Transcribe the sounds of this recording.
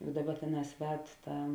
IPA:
ˈbuːdɐʋɐ ˈtʲeːˌnɑːs ˈʋʲɛt ˈtɐ

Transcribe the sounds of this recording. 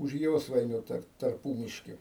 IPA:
ʊʃ ˈjoːsʋɐɪnʲʊ tɐr tɐrˈpuːmʲɪʃʲkʲɪ

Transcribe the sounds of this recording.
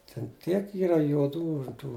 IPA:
tʲɛn ˈtʲiɛk ˈiːrɐ juɔˈduː ˈtuː

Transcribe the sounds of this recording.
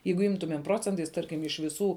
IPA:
ˈjɛɪɡʊ ˈɪmtʊmʲeːm ˈproːt͡sʲɛntɐɪs ˈtɐrʲkʲɪm ɪʃ ʋʲɪˈsuː

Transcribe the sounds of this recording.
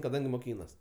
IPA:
kɐˈdɐŋʲɡʲɪ moːˈkʲiːnɐs

